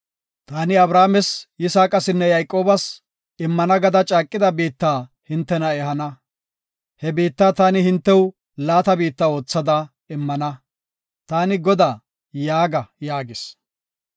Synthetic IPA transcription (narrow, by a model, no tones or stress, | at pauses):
t̪aːnɪɐbɾaːmɛsjɪsaːkʼɐsɪnːɛjɐjkʼːo̞ːbɐs | ɪmːɐnɐɡɐd̪ɐt͡ʃʼaːkʼːɪd̪ɐbiːt̪ːaː | hɪnt̪ːɛnɐɛɦɐnɐ | hɛbiːt̪ːaːt̪aːnɪhɪnt̪ːɛw | laːt̪ɐbiːt̪ːɐo̞ːt͡sːɐd̪ɐ | ɪmːɐnɐ | t̪aːnɪɡɔd̪aː | jaːɡɐjaːɡɪs